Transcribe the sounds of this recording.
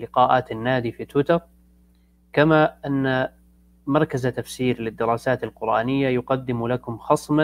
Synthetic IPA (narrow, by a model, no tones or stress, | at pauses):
lɪqɑːʔaːt̪anːaːd̪ifit̪wɪt̪ɑɾˤ | kamaʔanːa | mɑɾˤkazt̪afsiːɾlɪd̪ːɪɾˤɑːsaːt̪alqʊɾʔaːnɪjːajʊqɑd̪ːɪmlakʊmxɑsˤma